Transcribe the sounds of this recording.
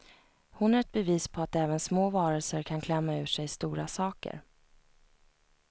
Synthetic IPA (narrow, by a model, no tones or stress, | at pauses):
hʊnhaɾɛt̪̚bɛviːspʰɔat̪ɛːvənsmoːvɑːɾəlsəɾkʰankʰlɛmːaʉ̟ːʂɛjst̪uːɾasɑːkə̰ɾ